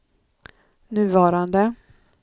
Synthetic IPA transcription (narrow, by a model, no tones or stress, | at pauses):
nʉ̟ːvɑːɾand̪ə